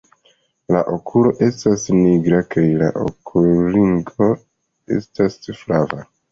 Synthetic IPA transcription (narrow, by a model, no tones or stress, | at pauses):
la̰ʔo̞kʰulo̞ʔe̞stasniɡɾakajla̰ʔo̰kʰuliŋɡo̞ | e̞̰stasflava